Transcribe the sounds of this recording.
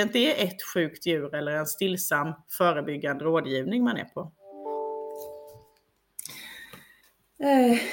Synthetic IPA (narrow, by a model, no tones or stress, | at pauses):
ɪnt̪əɛʔɛt̪ɧʉ̟ːkt̪jʉ̟ːɾɛlːəɾɛnst̪ɪlːsamːfœːɾəbʏɡːand̪əɾoːd̪jiːvnɪŋmanæ̰ɾpʰɔ